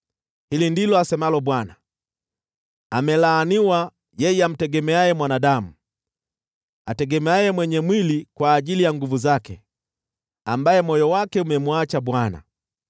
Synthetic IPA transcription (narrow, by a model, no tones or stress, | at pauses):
hilindilɔasɛmalɔɓwana | amɛlaːniwa | jɛjɛam̩tɛɡɛmɛajɛmwanaɗamu | atɛɡɛmɛajɛmwɛɲɛmwilikwaːʄilijaŋɡuvuzakɛ̰ | ambajɛmɔjɔwakɛumɛmuat͡ʃaɓwana̰